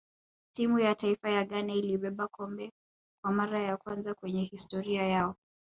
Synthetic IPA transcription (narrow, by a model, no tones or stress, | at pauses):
timujataifajaɠanailiɓɛɓakʰɔmbɛ | kwamaɾajakwanzakwɛɲɛhistɔɾiajaɔ